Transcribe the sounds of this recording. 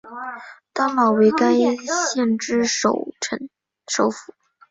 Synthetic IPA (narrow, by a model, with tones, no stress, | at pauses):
t̪a˥ŋmɑ˨˩ʊwe˧˥ɪka˥ni˥ɕjɛ˥˩nʈ͡ʂɻ̩˥ʂo̰˨˧˩ʊʈ͡ʂʰə˧˥n | ʂo˨˩˥ʊfu˨˩˦